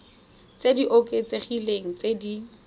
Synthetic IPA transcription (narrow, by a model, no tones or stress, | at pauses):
t͡sediʔokʼet͡seχileŋ̩t͡sedi